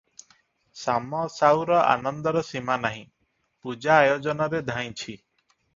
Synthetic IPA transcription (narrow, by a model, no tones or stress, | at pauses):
samɔsawɾɔʔa̰nɔnd̪ɔɾɔsimanaɦĩ | pud͡ʒaːjod͡ʒɔnɔɾed̪ʱaj̃t͡ʃʰi